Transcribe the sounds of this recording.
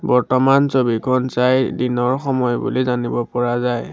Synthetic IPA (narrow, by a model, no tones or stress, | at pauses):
bɔɹtɔmansobikʰɔnsajdinɔɹxɔmɔjbṵlizanibɔpɔɹazaj